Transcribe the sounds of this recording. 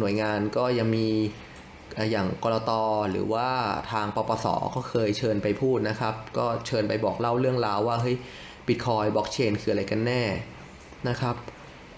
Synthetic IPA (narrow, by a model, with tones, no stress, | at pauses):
nu˩˦əjŋaː˧nkɔː˥˩ja˧ŋmiː˧ | ʔaː˨˩jaː˨˩ŋkɔː˧ɾɔː˧t̪ɔː˧ɾɯ̰ː˩˦waː˥˩t̪ʰaː˧ŋpɔː˧pɔː˧sɔ̰ː˩˦kɔː˥˩kʰɤː˧jt͡ɕʰɤː˧npa˧jpʰuː˥˩t̪̚na˦˥kʰa˦˥p̚kɔː˥˩t͡ɕʰɤː˧npa˧jbɔː˨˩k̚la˥˩wɾɯ˥˩əŋɾaː˧wːaː˥˩ɦɤ˦˥j | bi˨˩t̪̚kʰɔː˧jbɔ˦˥k̚t͡ɕʰeː˧nkʰɯː˧a˧ɾa˧jka˧nːɛː˥˩ | na˦˥kʰɾa˦˥p̚